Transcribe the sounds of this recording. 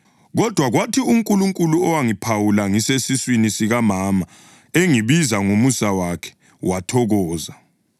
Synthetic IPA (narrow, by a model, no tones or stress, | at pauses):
ɣɔd̥ʱwaɣwatʰiuŋkʼuluŋkʼuluɔwaŋipʰawulaŋisesiswinisiɣamaːma | eŋiβizaŋumusawakʰɛ̥ | watʰɔɣɔːza